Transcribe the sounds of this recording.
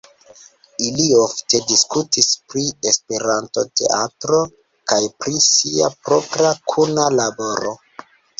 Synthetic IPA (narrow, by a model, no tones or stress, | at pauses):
iliofte̞diskutispɾiespe̞ɾanto̞te̞̰ʔatɾo̞ | kajpɾisia̰pɾo̞pɾakʰunalabo̞ɾo̞̰